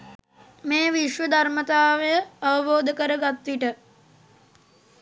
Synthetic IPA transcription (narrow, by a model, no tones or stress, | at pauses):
meːʋiʃʋəd̪ʱaɾmət̪aːʋəjəɐʋəboːd̪əkəɾəɡat̪ʋiʈə